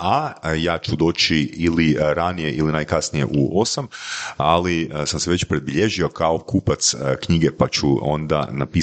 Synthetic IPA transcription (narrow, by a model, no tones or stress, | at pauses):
ajaːt͡ʃud̪o̞ːt͡ɕiiliɾanije̞ʔilinajkasnije̞̰ʔuo̞samalisamseʋe̞t͡ɕpɾe̞d̪biʎe̞ʒio̞kao̞kuːpat̪skɲiɡe̞pat͡ɕuo̞̰nd̪a̰napi